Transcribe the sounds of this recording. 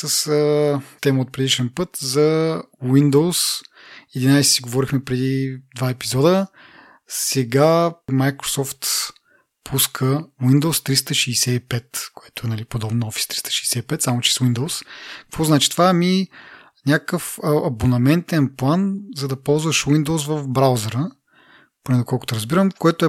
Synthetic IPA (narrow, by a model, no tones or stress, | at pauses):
səsət̪ɛməot̪̚pɾɛd̪iʃɛnpɤt̪zɐ | wind̪ows | ɛd̪inajsɛ̥siɡovɔɾixmɛpɾɛd̪id̪vaɛpizɔd̪ə | sɛɡamajkɾo̥sɔft̪ | pʰuskʰəwind̪owst̪ɾist̪əʃiːsɛipɛt̪koɛt̪oɛnɐlipod̪ɔbnoɔfi̥st̪ɾist̪ə̥ʃi̥ːsɛipɛt̪samot͡ʃɛ̥swind̪owskɐkvɔznat͡ʃi̥t̪ovaɛmi | nʲakəfɐbonɐmɛnt̪ɛnplˠanzɐd̪ɐpɔlˠzvəʃwind̪oʊsvɐfbɾawzɛɾə | ponɛd̪okʰɔlˠkʊ̥t̪ɛɾɐzbiɾəmkoɛt̪ʊɛ